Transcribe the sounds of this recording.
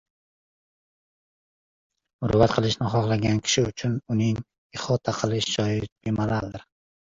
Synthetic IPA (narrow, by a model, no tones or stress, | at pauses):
mʊɾʊvat̪qʰɨlˠɪʃnɪχɒχlˠaɡʲankʲʰɪ̥ʃɪʊt͡ʃʰʊnʊnɪŋ | ɪχɒt̪ʰaqʰɨlˠɪʃd͡ʒɒjɪbemalald̪ɪɾ